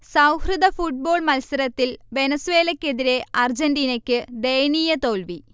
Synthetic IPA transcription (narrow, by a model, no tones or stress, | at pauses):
sɐwhrɨd̪ɐfuʈ̚bo̞ːɭmɐlsɐɾɐt̪ːilʋe̞nɐsuʋe̞ːlɐkʲːe̞ðiɾe̞ɐrd͡ʑɐnɖiːnɐkʲːɨd̪e̞jniːjɐt̪o̞ːlʋi